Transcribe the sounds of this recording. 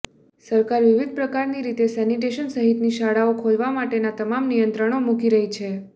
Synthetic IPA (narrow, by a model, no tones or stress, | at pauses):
səɾkaɾʋiʋid̪̚ʱpɾəkaɾniɾit̪esɛniʈeʃənsəɦit̪niʃaɽaokʰolʋamaʈenat̪əmamnijənt̪ɾəɳ̃omukiɾəɦit͡ʃʰe